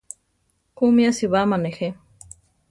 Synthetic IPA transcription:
kumiasiβamanexe

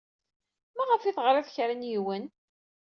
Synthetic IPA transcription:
mæʁəfiθʁɾˤæðçɾənjiwən

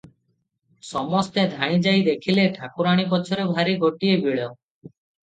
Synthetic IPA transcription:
sɔmɔst̪ed̪ʱaɽ̃ĩd͡ʒajd̪ekʰileʈʰakuɾaɽ̃ikɔt͡ʃʰɔɾebʱaɾiɡʱoʈiebʱiɭɔ

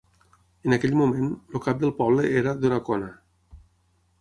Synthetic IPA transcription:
ənakɛʎmumenlukap̚d̪əlˠpɔβləʔeɾaðunakɔna

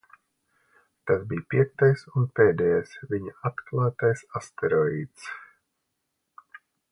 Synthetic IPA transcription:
t̪asbijpiɛk̚t̪ajsunpɛːd̪ɛjajsvʲiɲaat̪klˠaːt̪ajsast̪ɛɾɔiːt̪s

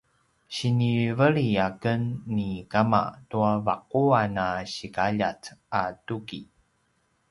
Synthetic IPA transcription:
ɕinivəɭiakənːikama̰tuavaq̚uanaɕikaʎat͡satuki

